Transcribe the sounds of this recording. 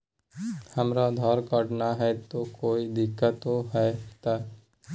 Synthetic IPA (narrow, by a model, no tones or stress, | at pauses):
həmɾad̪ʱɔːɾkəɖnaɦɛt̪okoːid̪ɪkːət̪oɦɛt̪a